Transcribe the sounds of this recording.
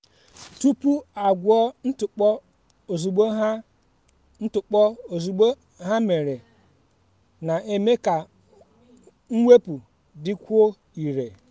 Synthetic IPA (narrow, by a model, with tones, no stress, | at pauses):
tu˦pu˦a˨ɡʷʊ˦ɔ˦n̩˦tʊ˨k͡p | o˨zu˨ɡ͡bo˦ɦ | n̩˦tʊ˨k͡pɔ˦o˨zu˨ɡ͡bo˦ | ɦa˦me˨ɾe˨ | na˨ʔe˨me˦ka˨ | ŋ̩˦we˦pu˨ | dɪ˦kʷo˦ | i˨ɾḛ˨